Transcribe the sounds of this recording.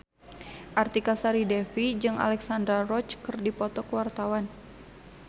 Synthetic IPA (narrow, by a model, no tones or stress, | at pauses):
ʔart̪ikasaɾidɛfid͡ʒɨŋa̰lɛksandɾarɔt͡ʃkɨrdipɔt̪ɔkəwart̪awan